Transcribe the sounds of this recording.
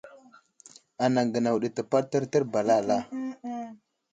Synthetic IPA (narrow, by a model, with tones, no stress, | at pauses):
a˨na˨ɡə˨na˨wɗə˨tə˨pa˦ɾtə˦ɾtə˦ɾba˨la˦˨la˦˨